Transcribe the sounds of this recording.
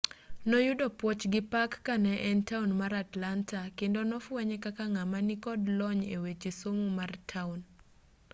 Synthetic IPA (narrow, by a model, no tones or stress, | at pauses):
nɔjʊdɔpwɔt͡ʃɡɪpakːanɛʔɛntaunmaɾatlantakendonɔfwɛɲɛkakaŋamanikɔdlɔɲewet͡ʃesomumartʰaun